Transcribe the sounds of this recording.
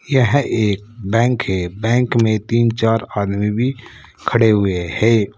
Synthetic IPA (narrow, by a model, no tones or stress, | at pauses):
jəɦeːk̚bɛ̃ːŋkɦɛbɛ̃ːŋkmẽt̪iːnt͡ʃaːɾaːd̪mibʱi | kʰəɽeɦʊehɛː